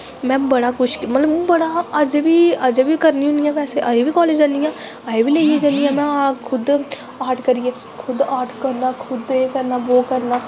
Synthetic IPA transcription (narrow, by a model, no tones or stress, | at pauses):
mɛ̃ːbəɽaːkʊt͡ʃʰkmət̪ləbbəɽaːəd͡ʒʋiːəd͡ʒbiːkəɾnĩɦʊ̃nijãːʋɛːseːʔaeʋiːkɔːleːd͡ʒãːnd̪ijãː | aeːʋiːleːieːd͡ʒãːnd̪ijãːmɛ̃ːakʰʊd̪ | aːʈkəɾijeː | kʰʊd̪aːʈʰkəɾnaːkʰʊd̪ekəɾnaːboːkəɾnaː